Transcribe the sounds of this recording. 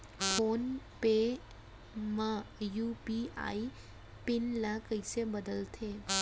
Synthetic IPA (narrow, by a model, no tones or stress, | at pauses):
pʰoːnpe | məjupia̰i | pɪnlakəjsebəd̪əlt̪ʰe